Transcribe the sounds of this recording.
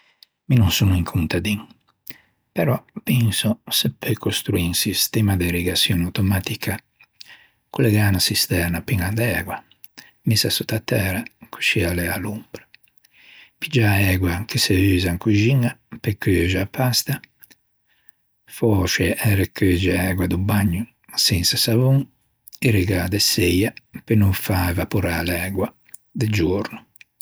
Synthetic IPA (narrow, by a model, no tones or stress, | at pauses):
minunsunuiŋkʰunt̪ad̪iŋ | pɛɾɔpinsosɛpekʰost̪ɾuinsist̪ɛmad̪eɾiɡasjɔnawt̪ɔmat̪ikʰa | kulɛɡaːnasist̪ɛɾnapiŋand̪ɛːɡwa | misasut̪at̪ɛːɾakʰu̥ʃialɛalumpɾɛ̥ | pid͡ʒaɛːɡwakiseyːzaŋkuʒiŋːapekːøʒapʰːast̪a | fɔːʃɛɛɾɛkʰød͡ʒɛɛːɡwad̪ubaɲːu | sinsasavuŋ | iɾiɡaːd̪ɛsejapenuɱfaɛvapuɾalɛːɡwa | d̪ed͡ʒuɾnu